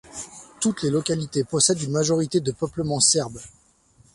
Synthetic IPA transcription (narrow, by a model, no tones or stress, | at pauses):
t̪ut̪lelɔkalit̪epɔsɛd̪ynmaʒɔʁit̪ed̪əpœpləmɑ̃sɛʁb